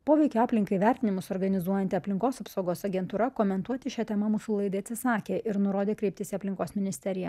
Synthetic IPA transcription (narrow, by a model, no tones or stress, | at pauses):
poːʋʲɛɪkʲoɑːpʲlʲɪŋkɐɪʋʲæɾʲt̪ʲɪnʲɪmʊsoːɾɡɐnʲɪzuɔjɛnʲt̪ʲɪɐpʲlʲɪŋkoːsɐpsɐʊɡoːsɐɡʲɛnt̪uːɾɐkoːmʲɛnt̪uɔt̪ʲɪʃʲɛt̪ʲɛmɐmʊsʊlˠɐɪd̪ɐɪɐt̪ʲsʲɪsɑːkʲeːɪɾnʊɾoːd̪ʲeːkɾʲɛɪp̚ʲt̪ʲɪsʲɪɐpʲlʲɪŋkoːsmʲɪnʲɪsʲt̪ʲɛɾʲɪjɛ